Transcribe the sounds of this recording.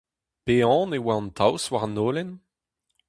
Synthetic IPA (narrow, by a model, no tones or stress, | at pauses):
peɑ̃ːnewaɔ̃nt̪ʰawswaʁnoːlɛn